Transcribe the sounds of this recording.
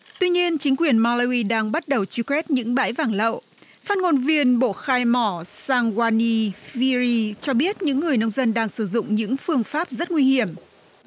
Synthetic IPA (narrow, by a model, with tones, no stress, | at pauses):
t̪wi˧ɲi˧ənt͡ɕï˨˦ŋ̟kwi˨˩ənmɔ˧la˧wi˧ɗaː˧ŋɓa˦˥t̚ɗə˨˩wt͡ɕi˧kwɛ˦˥t̚ɲɨ̰˧˥ŋɓa̰ː˧˥jvaː˧˩nlə̰˧˨ | faː˦˥tnŋo˧nvi˧ənɓo̰˧˨xaː˧jmɔ˧˩saː˧ŋɣwaː˧ni˧fi˧zi˧t͡ɕɔ˧ɓi˦˥ət̚ɲɨ̰˧˥ŋːɨ˨˩əjnə˧wŋ͡mzə˧nɗaː˧ŋsɨ˧˩zʊ̰˧˨ŋ͡mɲɨ̰˧˥ŋfɨ˧əŋfaː˦˥p̚zə˦˥t̚ŋwi˧hi˧˩əm